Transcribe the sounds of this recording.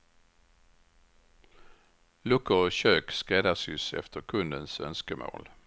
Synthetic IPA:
lʉkʊçøːkskeːd̪ɑsysɛ̰ft̪ʰəkʰʉnd̪ənsœ̰nskəmʔo̰ːl

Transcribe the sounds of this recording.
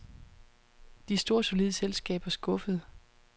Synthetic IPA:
d̥isd̥o̝ːɐso̝liðˠselsɡ̥ɛ̰ːb̥ɐsɡ̥ɔ̽fəð̞ˠ

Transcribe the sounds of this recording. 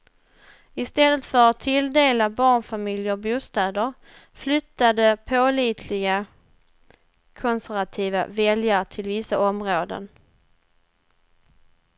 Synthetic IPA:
ɪst̪ɛlːət̪fœɾat̪ʰːɪld̪eːlabɑːɳfamɪljəɾɔbuːst̪ɛːd̪əɾ | flʏt̪ːad̪əpʰoliːt̪ʰlɪɡa | kʰɔnsæɾvat̪ʰiːva̰vɛljaɾʈʰɪlvɪsːaɔmɾoːd̪ə̰n

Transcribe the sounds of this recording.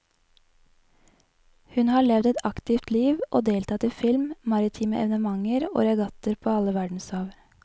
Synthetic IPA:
hʉnhɑːɭɛʋd̪ɛt̪ʰɑkt̪ɪft̪liːʋʔoːd̪eːlt̪ʰɑːt̪iːfɪlmmɑɾɪt̪ʰiːməʔɛ̰ʋənəmɑŋəɾo̰ːɾɑɡɑt̪əɾpʰoːɑləʋæɖɳ̩sɑːʋ

